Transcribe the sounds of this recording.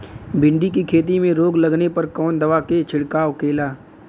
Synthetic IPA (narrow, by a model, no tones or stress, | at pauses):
bɪ̃ɳɖikikʰeːt̪̬imẽɾoːɡlɐɡnepɐɾkɔːnd̪ɐʋaːket͡ʃʰɪɽkaːʋkeːlaː